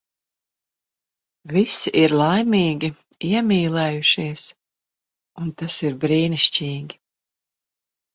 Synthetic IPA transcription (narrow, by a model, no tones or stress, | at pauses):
visiʔiɾlˠajmiːɡʲi | iɛmʲiːlˠɛjuʃiɛs | unt̪asiɾbɾiːniʃt͡ʃiːɡʲi